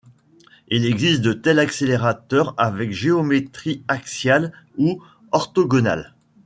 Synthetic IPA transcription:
ilɛɡzist̪̚d̪ət̪ɛlakseleʁat̪œʁavɛkʒeomet̪χiaksjal | u | ɔʁt̪ɔɡɔna̰l

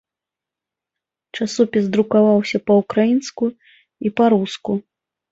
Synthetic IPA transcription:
t͡ʂasɔpʲisd̪ɾukavawsʲɐpɐukɾajinsku | ipaɾusku

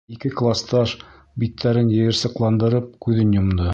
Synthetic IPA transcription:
ikɘklˠast̪ɑʃ | bit̪ʰːæɾɘnjɘ̆jɘ̆ɾsɤ̆qlˠɑnd̪ɤ̆ɾɤp̚kʉðɘnjŏmd̪ɤ

